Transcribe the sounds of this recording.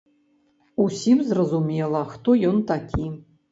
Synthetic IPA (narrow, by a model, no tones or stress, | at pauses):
usʲimzrɐzumʲelˠɐxt̪ojont̪akʲʰi